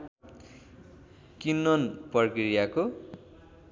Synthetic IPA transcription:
kinːʌnpʌrkɾijako

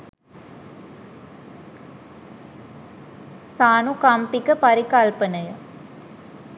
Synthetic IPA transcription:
saːnukampikːɐpɐɾɪkaːlpɐnɐjɐ

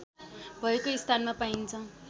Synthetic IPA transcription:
bʱʌekoist̪ʰanmapaint͡sʰʌ

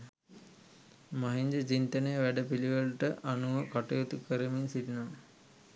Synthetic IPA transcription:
maɦiɲd͡ʒət͡ʃint̪ənəjəʋæɖəpiliʋəlʈəʔanuʋəkaʈəjot̪ukəɾəminsidna

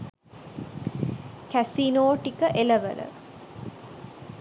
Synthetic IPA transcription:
kæsinoːʈikəʔeleʋə̰lə̰

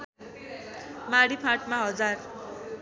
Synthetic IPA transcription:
maɽipʰãʈmaɦʌd͡zar

